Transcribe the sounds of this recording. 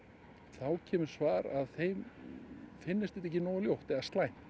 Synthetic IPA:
θawcʰɛːmʏ̥svaːɾa̰ðθejm | fɪnːɪst̪ɪht̪ɛçcːɪnɔːwljowht̪ɛðast̪laːjn̥

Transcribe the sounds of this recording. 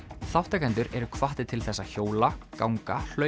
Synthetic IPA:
θawht̪akajnt̪ʏɾɛɾʏkʰvaht̪ɪt̪ʰɪlθɛsːaçoːwlakaːwŋkal̥œ

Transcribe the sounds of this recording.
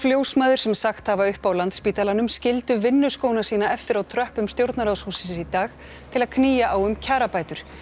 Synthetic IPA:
fljoːwsmaːðʏɾ̥sɛmsaxt̪havaʏhpawlant̪spiːt̪alanʏmscɪlt̪ʏvɪnːʏskownasiːnaɛft̪ɪɾawt̪ʰɾœhpʏmst̪jowɾt̪naɾawshuːsɪssit̪aːx | t̪ʰɪlaðkʰniːjaʔawʏmcʰaːɾapaːjt̪ʏɾ̥

